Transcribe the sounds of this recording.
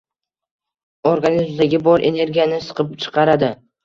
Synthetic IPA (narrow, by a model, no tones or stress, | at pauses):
oɾɡanizmd̪aɡʲɪbɒɾʔe̞ne̞ɾɡʲijanɪsɨ̥qʰɨp̚t͡ʃʰɨ̥qʰɑɾad̪ɪ